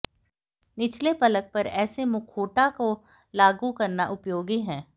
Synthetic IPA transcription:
nɪt͡ʃlepɐlək̚pɐɾɛːsemʊkʰoːʈako | laːɡukɐɾnaʔʊpjoːɡiɦɛ̃ː

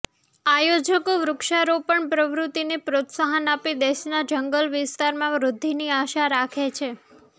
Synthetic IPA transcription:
ajod͡ʒəkoʋɾʊkʃaɾopəɳpɾəʋɾut̪inepɾot̪saɦənapid̪eʃnad͡ʒəŋɡəlʋɪst̪aɾmãʋɾʊd̪ʱːiniaʃaɾakʰet͡ʃʰe

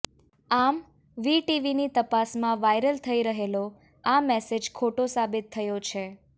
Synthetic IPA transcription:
am | ʋiʈiʋinit̪əpasmãʋajɾəlt̪ʰəiɾəɦelo | amɛsed͡ʒkʰoʈosabɪt̪ʰːəjot͡ʃʰe

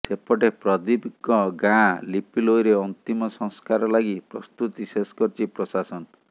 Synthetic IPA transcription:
sepɔʈepɾɔd̪ibikɔɡãlipilojɾeɔnt̪imɔsɔ̃ŋskaɾɔlaɡipɾɔst̪ut̪iseskɔɾt͡ʃʰipɾɔsasɔn

